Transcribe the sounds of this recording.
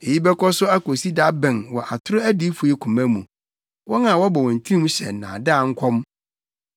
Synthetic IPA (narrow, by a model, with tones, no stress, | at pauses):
e˨ji˦bɛ˦kʰɔ˦sʊ˦æ˦ko˨si˦da˦bɛ̃˨nwɔ˨ʔa˨tʰʊ˦ɾʊ˦æ˦di˦fu˨ɛ˦kʰũ˨mæ̃˦mṵ̃˨ | wɔ̃˦nã˨wɔ˦bɔ˨wɔ̃˨n̩˨tʰi˦ĩ˦m̃˦ɕɛ̰˨nã̰˨da˦˨ŋ̩˦kʰɔ̃˦m